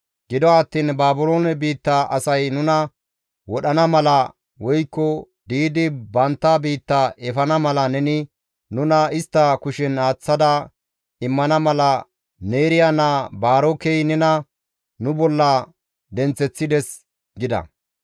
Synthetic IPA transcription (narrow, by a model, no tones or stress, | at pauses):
ɡ̥ɪd̪ɔɐt̪ːiːnbaːbʊlo̞ːnɛbiːt̪ːaʔɐ̰sɐjnʊnɐ | wɔɗɐnɐmɐlɐ | wɔjkːɔ | d̪iːd̪ɪbɐnt̪ːabiːt̪ːaʔɛfɐnɐmɐlɐnɛnɪ | nʊnɐɪst̪ːɐkʊʃɪnaːt͡sːɐd̪ɐ | ɪmːɐnɐmɐlɐ | neːɾɪjanabaːɾokejnɛnɐ | nʊbɔlːɐ | d̪ɛnt͡sɛt͡sːɪd̪ɛs | ɡɪd̪ɐ̰